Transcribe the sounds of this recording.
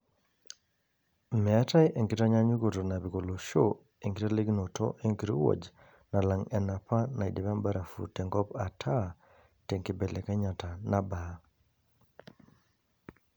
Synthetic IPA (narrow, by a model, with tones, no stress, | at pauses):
mɛ˨a˦ta˦jʔe˨ŋɡi˦ta˦ɲa˦ɲu˦ɡo˨to˨na˨bi˨ko˨lo˨ʃo | e˨ŋɡi˦ta˦le˦ɡno˨to̰˦ʔe˦ŋki˨ɾo̰˦wo̰˨d͡ʒ | na˨la˨ŋɛ˨na˨pa˦na˨i˨di˨βa˦mba˦ɾa˨fṵ˨tɛ˨ŋɡɔ˦pa˨tʰa˦ | tɛ˨ŋkɪ˨bɛ˨lɛ˨ka˦ɲa˨ta˨na˦ba˨˦